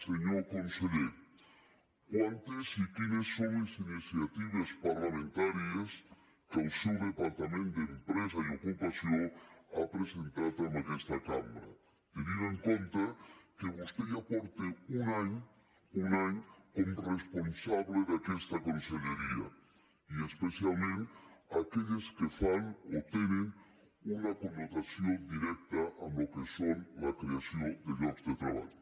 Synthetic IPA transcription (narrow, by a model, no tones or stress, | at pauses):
seɲokõnseʎe | kwant̪esik̪inesːõŋesinisjat̪iβaspaɾlamẽnt̪aɾjɐs | kawsuwɾepaɾt̪amẽnt̪d̪eempɾesɐjokupasjoŋa̰pɾesẽnt̪at̪amakest̪ɐkamaɾɐ̰ | t̪eniɾeŋkõnt̪ɐkeβost̪ejapɔɾt̪eunaɲ | unaɲkomresponsaβleðakest̪akonseʎeɾia̰ | iespesjalmẽnakeʎeskefanot̪enẽŋ | unakonːot̪asjond̪iɾɛk̚t̪aʔanlokesonlakɾeasjond̪eɡɾokzd̪et̪ɾa̰βa̰ʎo